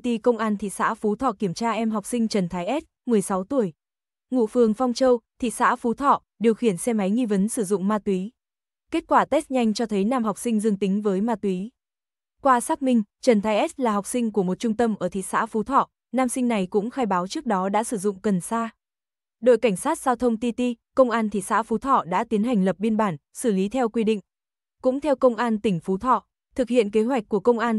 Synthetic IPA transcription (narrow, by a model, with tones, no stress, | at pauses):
t̪i˧kə˧wŋ͡mʔaː˧nt̪ʰḭ˧˨sa̰ː˧˥fu˨˦t̪ʰɔ̰˧˨ki˧˩əmt͡ɕaː˧ʔɛ˧mɦa˨˩wk͡p̚sï˧ŋ̟t͡ɕə˨˩nt̪ʰaː˨˦jʔɛ˦˥t̚mɨ˨˩əjsa˨˦wt̪u˧˩əj | ŋṵ˧˨fɨ˨˩əŋfɔ˧wŋ͡mt͡ɕəː˧wt̪ʰḭ˧˨sa̰ː˧˥fu˨˦t̪ʰɔ̰˧˨ | ɗi˨˩əwxi˧˩ənsɛ˧ma˨˦jŋi˧və˨˦nsɨ˧˩zʊ̰˧˨ŋ͡mmaː˧t̪wi˨˦ | ke˦˥t̚kwaː˧˩t̪ɛ˦˥st̚ɲa˧jŋ̟t͡ɕɔ˧t̪ʰə˨˦jnaː˧mha˨˩k͡p̚sï˧ŋ̟zɨ˧ŋt̪ï˨˦ŋ̟vəː˨˦jmaː˧t̪wi˨˦ | kwaː˧saː˦˥k̚mï˧ŋ̟t͡ɕə˨˩nt̪ʰaː˧jʔɛ˦˥t̚laː˨˩ɦwk͡p̚sï˧ŋ̟ku˧˩əmo˨˩t̚t͡ɕʊ˧ŋ͡mt̪ə˧mʔəː˧˩t̪ʰi˧˨sa̰ː˧˥fu˨˦t̪ʰɔ̰˧˨ | naː˧msï˧ŋ̟na˨˩jkʊ̰˧˥ŋ͡mxaː˧jɓaː˨˦wt͡ɕɨ˦˥k̚ɗɔ˨˦ɗa̰ː˧˥sɨ˧˩zʊ̰˧˨ŋ͡mkə˨˩nsaː˧ | ɗo̰˧˨jka˧˩jŋ̟saː˦˥t̚zaː˧wt̪ʰə˧wŋ͡mt̪i˧t̪i˧kə˧wŋ͡mʔaː˧nt̪ʰi˧˨sa̰ː˧˥fu˨˦t̪ʰɔ̰˧˨ɗa̰ː˧˥t̪i˨˦ənɦa˨˩ŋ̟lə˨˩p̚ɓi˧ənɓaː˧˩nsɨ˧˩li˨˦t̪ʰɛ˧wkwi˧ɗḭ̈˧˨ŋ̟ | kʊ̰˧˥ŋ͡mt̪ʰɛ˧wkə˧wŋ͡mʔaː˧nt̪ï˧˩ŋ̟fu˨˦t̪ʰɔ̰˧˨ | t̪ʰɨ˨˩k̚hḭ˧˨ənke˨˦ɦwa˨˩jk̟̚kːu˧˩əkə˧wŋ͡mʔaː˧n